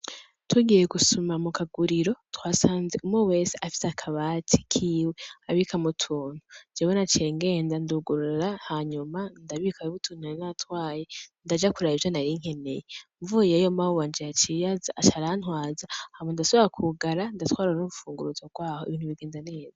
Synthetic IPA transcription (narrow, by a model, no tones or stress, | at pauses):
twuɡijeɡusumamukʰaɡuɾiɾo̞twaːsaːnzeʔumŋowe̞ːseʔafi̥sakʰaβatʰi̥kʰiːweaβikʰamutʰuːn̥hud͡ʒewenat͡ʃeŋɡe̞ːndanduɡuɾuɾɾahaɲumandaβikajuβutʰuːn̥uinatwaːjendad͡ʒakuɾaːjivjonaɾiŋ̥e̞ne̞̰jeɱvujejomaowaːnd͡ʒijat͡ʃijazaʔːt͡ʃaɾanwaːzahamwendasoβiɾakʰuɡaɾandatxwaːɾɾanuβufuːŋɡuɾuzoɡ̥waːhoḭβiːnhuβiɡe̞ːnzane̞ːza